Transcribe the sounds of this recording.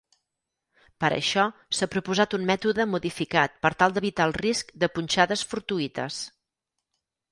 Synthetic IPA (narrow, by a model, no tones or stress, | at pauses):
pəɾə̰ʃɔsapɾupuzat̪ummɛt̪uðəmuðifikat̪̚pəɾt̪alˠd̪əβit̪aːlˠriskd̪əpunʲt͡ʃaðəsfuɾt̪uit̪ə̰s